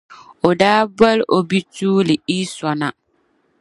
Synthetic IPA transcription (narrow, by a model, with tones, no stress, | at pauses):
o˨daː˦ba˦lʔo˨bi˦tuː˦lɪ˨i˦sɔ˨na˨